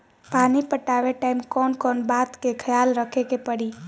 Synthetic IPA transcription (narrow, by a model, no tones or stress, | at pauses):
panipəʈaʋeʈaimkɔnkɔːnbat̪kekʰəjalɾəkʰekepəɽi